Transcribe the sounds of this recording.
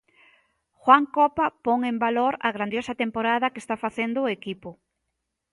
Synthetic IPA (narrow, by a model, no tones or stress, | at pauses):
xwaŋkɔpapoŋembaloɾɐɣɾand̪josɐt̪empoɾað̞ɐkest̪afaθend̪ʊːekipʊ